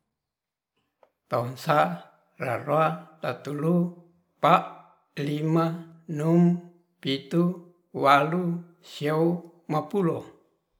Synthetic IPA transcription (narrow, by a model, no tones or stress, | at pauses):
t̪aunsa | raroat̪at̪ulu | paʔ | limanum | pit̪u | walu | siau | mapulo